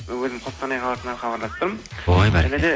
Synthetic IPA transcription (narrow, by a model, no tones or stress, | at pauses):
wɵzɪmqʰost̪ɑnɑjqʰɑlˠɑt̪ənɑnχɑbɑɾlˠɑspt̪əɾmojbæɾæned̪e